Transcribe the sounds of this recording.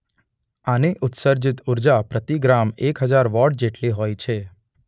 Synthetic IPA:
aneʔʊt̪səɾd͡ʒit̪uɾd͡ʒapɾət̪iɡɾamekɦəd͡ʒaɾʋɔɖ̚d͡ʒeʈliɦojt͡ʃʰe

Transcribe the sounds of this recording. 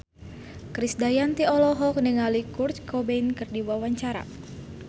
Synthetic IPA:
kɾisdajant̪iɔlɔɦɔk̚nəŋalikurt͡ʃkɔbeinkɨrdiwawaɲt͡ʃaɾa̰

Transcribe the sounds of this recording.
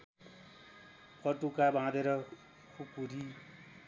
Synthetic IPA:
pʰʌʈukabʱãd̪eɾʌ | kʰukuɾi

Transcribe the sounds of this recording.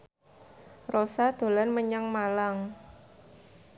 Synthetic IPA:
rosad̪̥o̤lanməɲaŋmalaŋ

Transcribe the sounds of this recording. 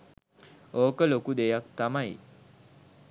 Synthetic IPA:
oːkəlokud̪ejak̚t̪amaj

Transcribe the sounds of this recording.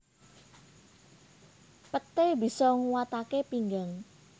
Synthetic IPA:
pət̪ebisɔŋuwat̪akepiŋɡaŋ

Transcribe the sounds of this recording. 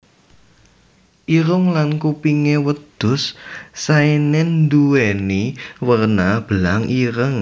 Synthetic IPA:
ʔiɾʊŋlankupiŋewəd̪̥ʊ̤ssaenɪnnd̪uweniwərnab̥əlaŋʔiɾəŋ

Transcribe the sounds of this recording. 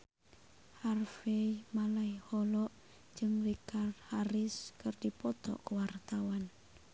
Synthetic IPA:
harfejmalaihɔlɔʔ | d͡ʒɨŋrikard̪haɾɪskərdipɔt̪ɔ̰kəwart̪awan

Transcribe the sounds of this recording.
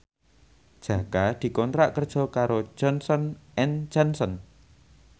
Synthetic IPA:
d̥ʒ̥a̤kad̪̥i̤kɔnt̪ɾaʔkərd̥ʒ̥ɔ̤kaɾo̥ʒ̥ɔnsɔnʔɛnd͡ʒ̥ansɔn

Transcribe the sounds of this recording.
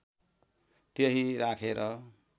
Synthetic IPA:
t̪eɦiɾakʰeɾʌ

